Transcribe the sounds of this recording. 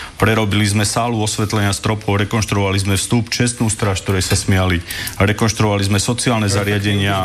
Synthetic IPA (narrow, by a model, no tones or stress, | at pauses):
pɾɛɾɔbilizmɛsaːluɔsʋɛt̪lɛɲɪast̪ɾɔpʰɔʊɾɛkɔnʃt̪ɾuɔʋalizmɛfst̪upt͡ʃɛst̪nuːst̪ɾaːʃkt̪ɔɾɛjsasmɪaliɾɛkɔnʃt̪ɾuɔʋalizmɛsɔt͡siaːlnɛzaɾɪaɟɛɲɪa